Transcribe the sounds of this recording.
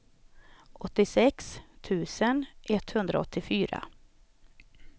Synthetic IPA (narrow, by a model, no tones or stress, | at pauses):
ʔɔt̪ːɪsɛkst̪ʰʉ̟ːsənʔɛt̪hɵnd̪ɾa̰ɔt̪ʰːɪfyːɾa̰